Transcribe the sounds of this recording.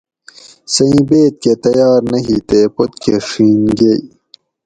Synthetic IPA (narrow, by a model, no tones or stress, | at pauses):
sɐĩːbeːt̪̚ket̪ɐjɑːɾnɐɦit̪epot̪̚kʰeʂiːnɡei